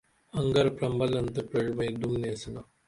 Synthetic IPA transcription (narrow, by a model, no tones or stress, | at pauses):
ɐŋɡɐɾpɾɐmbɐlɐnt̪əpɾeɻʋɐjd̪umneːsɐna